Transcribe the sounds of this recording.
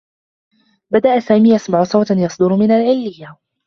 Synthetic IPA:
bad̪aʔasaːmiːjʔasmaʕʊsˤɑwt̪njɑsˤd̪ʊɾmɪnalʕɪlːɪjːa

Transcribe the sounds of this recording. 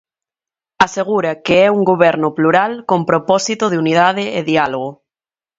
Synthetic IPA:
aseɣ̞uɾakeɛuŋɡoβɛɾnʊpluɾalkõmpɾopɔsit̪oðeunið̞aðeeðialoɣ̞o

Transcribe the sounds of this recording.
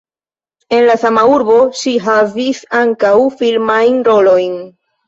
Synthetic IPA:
e̞nlasamauɾbo̞ʃiɦavisaŋkawfilmajnɾo̞lo̞jn

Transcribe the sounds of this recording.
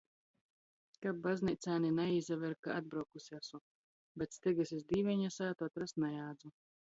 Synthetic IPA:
kab̚bːaznit̪sʲaːninaizavɛɾkaʔad̪̚bɾawkusasu | bʲɛt̪st̪ɛɡasis̬d̪iːvɛɲasaːt̪uat̪ɾast̪najaːd̪zu

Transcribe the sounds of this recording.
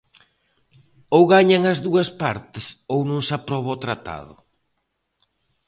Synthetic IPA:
owɣaɲaŋɐzðuɐspaɾt̪ɪsownõŋsapɾɔβaot̪ɾat̪a̰ðʊ̰

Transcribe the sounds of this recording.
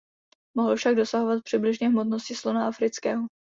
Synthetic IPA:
moɦl̩fʃaɡ̚do̞saɦovat̪̚pr̝̥ɪblɪʒɲɛɦmot̪noscɪslonaʔafɾɪt͡skɛːɦo

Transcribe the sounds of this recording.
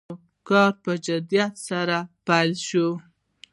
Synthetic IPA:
kɑɾpəd͡ʒad̪ijat̪saɾapajlʃo

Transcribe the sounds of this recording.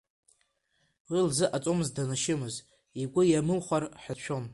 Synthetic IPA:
wilzɨʔat͡sʼomɨzdanaʃɪmɨz | iɡʷʊjamɨlχʷarħʷᶣaʃʷᶣo̞m

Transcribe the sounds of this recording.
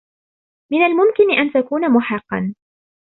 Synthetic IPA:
mɪnalmʊmkɪnɪʔant̪akuːnamʊħɪqːɑ̰n

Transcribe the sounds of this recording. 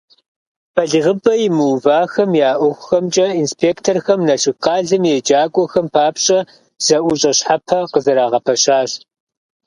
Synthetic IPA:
b̥ʰɐɮɨʁəbɐjɪmɨwvaːxɐmjaːʔʷɔxʷʊxɐmt͡ʃʼɐinspʰeːktʰorxɐmnɐɬɨqɑːɮɨmjɛd͡ʒaːkʷʼɔxɐmpʰaːpɕʼɐ | z̥ɐʔʷʊɕʼɐɕħapʰɐqəzɐɾaːʁɐpʰɐɕaːɕ

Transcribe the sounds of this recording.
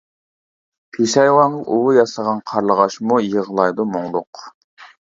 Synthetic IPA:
pʰeʃɑjwɑnɑʔuwujɑsʁɑnqʰɑɾlˠəʁɑʃmujəʁəlˠɑjd̪umoŋlˠʊq

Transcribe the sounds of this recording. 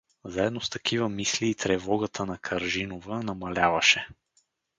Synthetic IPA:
zaɛd̪nost̪ɐkʰivəmisliːt̪ɾɛvɔɡət̪ʰənɐkʰɐɾʒinovənɐmɐlʲavɐʃɛ

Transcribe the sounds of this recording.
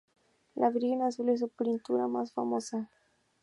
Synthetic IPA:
lʔaβɾinasules̬upɾint̪uɾamasfamosa

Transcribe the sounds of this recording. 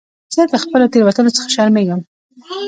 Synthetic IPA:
z̥əd̪əxpəlot̪eɾwat̪ənot͡sə̥xḁʃaɾmeɡəm

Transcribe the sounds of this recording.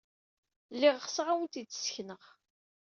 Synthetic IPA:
lːiʁχsʁawənt̪id̪sçnəʁ

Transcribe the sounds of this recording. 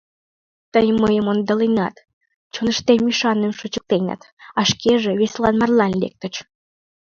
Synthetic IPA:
t̪əjməjəmond̪əlenɑt̪ | t͡ɕonəʃt̪emiʃɑnːəmʃut͡ɕə̥k̚t̪enɑ̰t̪ | ɑʃkeʒĕβeslɑnmɑrlɑnlḛk̚t̪ə̆t͡ɕ

